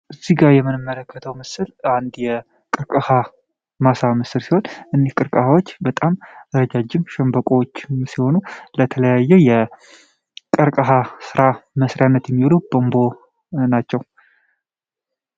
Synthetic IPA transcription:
ʔɨzːiɡaɾjɛmɨnɨmːələkːət̪ʰəwmɨsɨland̪jɛ | kʼɨɾkʼəha | masamɨsɨlsiho̞nʔɨnːihkʼɨɾkʼəhawo̞t͡ʃːbət̪ʼamɨɾəd͡ʒad͡ʒːɪmʃɛmbəkʼowot͡ʃːɪmsiho̞nulət̪ʰələjajːɛjɛ | kʼɨɾkʼəɦasɨɾaməsɾjanːət̪jɛmːiβlubombo̞ | nat͡ʃːɛw

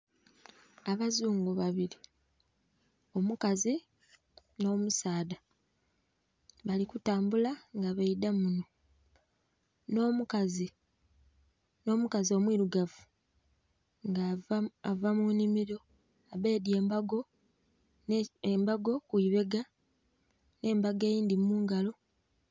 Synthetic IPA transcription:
aβazuːŋɡoβaβili | o̞mukazi | no̞ːmusaːda | βalikutaːmbulaŋɡaβeidamuno | nomukazi | no̞ːmukazio̞mwiːɾuɡavu̥ | ŋɡaavamunimiɾo̞ | aβe̞ːdje̞ːmbaɡo̞ | mbaɡo̞kuiβe̞ɡa | ne̞ːmbaɡejiːndimuːŋɡalo̞

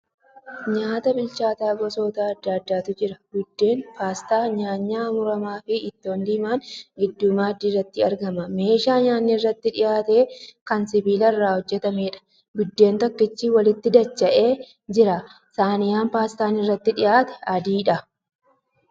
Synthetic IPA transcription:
ɲaːt̪ɐbɪlt͡ʃaːt̪aːɡɔso̞ːt̪aːɐd̪ːɐd̪ːaːt̪ʊd͡ʒɪɾɐɡʊd̪ːe̞ːnpaːst̪aːɲaːɲːaːmʊɾɐmaːfɪːt̪ːo̞ːnd̪ɪːmaːnɡɪd̪ːʊmaːd̪iːrɐt̪ːɪɐɾɡɐmɐme̞ːʃaːɲaːnːirːɐt̪ːɪᶑɪjaːt̪e̞ːkɐnsɪbiːlɐrːaːhɔd͡ʒːɛt̪ɐmeːᶑɐ̥ | ɡʊd̪ːe̞ːnt̪ɐkːɪt͡ʃːiːwɐlɪt̪ːɪd̪ɐt͡ʃːɐʔe̞ː | d͡ʒɪɾɐ | saːnɪjaːmpaːst̪aːnɪrːɐt̪ːɪᶑɪjaːt̪ɛ̥ɐd̪iːᶑɐ

